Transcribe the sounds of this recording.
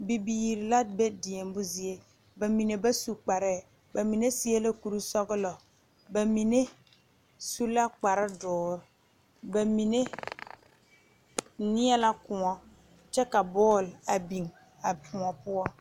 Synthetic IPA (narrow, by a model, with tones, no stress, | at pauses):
bi˨biː˨ɾɪ˨la˦be˦di˨ɛ˨m˦bʊ˦zi˦e˦ | ba˨mi˨ne˨ba˦su˨k͡pa˨ɾɛ˦˨ | ba˨mi˨ne˦sɪ˦ɛ˦la˦ku˨ɾu˦sɔ˦ɣɪ˦lɔ˨ | ba˨mi˨ne˦ | su˦la˦k͡pa˨ɾɪ˦dɔː˨ɾ | ba˨mi˨ne˦ | nɪ˦ɛ˦la˦kʊ˨ŋɔ˦ | t͡ʃɛ˦ka˨bɔː˦˨la˨bi˨ŋ | a˨pʰʊ˨ɔ˨pʊ˦ɔ˦